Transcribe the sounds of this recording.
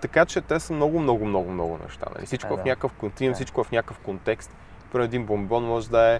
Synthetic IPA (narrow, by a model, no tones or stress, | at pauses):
t̪ɐkat͡ʃɛt̪ɛsəmnɔɡʊmnɔɡʊmnɔɡʊmnɔ̰ɡʊ̰nɛ̰ʃt̪a̰nɐ̰lḭsit͡ʃkovɐfnʲakəfkont̪insit͡ʃkʊvɐfnʲakəfkont̪ɛkst̪ | pɾɐɛd̪inbombɔnmɔʒɛd̪ɐɛ